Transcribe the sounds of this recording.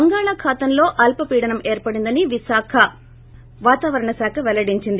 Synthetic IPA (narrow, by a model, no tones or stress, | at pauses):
ɐŋɡaːɭaːkʰaːt̪ɐmlo̞ːʔɐlpɐpiːɽɐnɐmeːɾpɐɽind̪ɐniʋisaːkʰɐ | ʋaːt̪aːʋɐɾɐɳɐsaːkʰɐʋɛlɐɽiɲt͡ʃind̪i